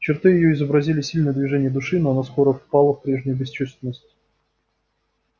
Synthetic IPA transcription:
t͡ɕɪrt̪ɨjɪjoɪzəbɾɐzʲilʲɪsʲilʲnəjəd̪vʲɪʐɛnʲɪjəd̪ʊʂɨnoɐnasxoɾəfpalˠəfpɾʲe̞ʐnʲʊjʊbʲɪst͡ɕust̪vʲɪnːəsʲtʲ

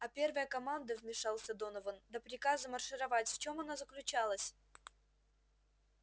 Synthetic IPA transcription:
ɐpʲe̞rvəjəkɐmand̪əvʲmʲɪʂalˠsʲəd̪onəvənd̪əpɾʲɪkazəmərʂɨɾɐvatʲft͡ɕo̞mɐnazəklʲʉt͡ɕalˠəsʲ

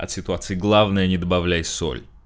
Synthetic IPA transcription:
ɐ̰t̪sʲɪt̪ʊat̪sɨɪɡlˠavnəjənʲɪd̪əbɐvlʲæjso̰lʲ

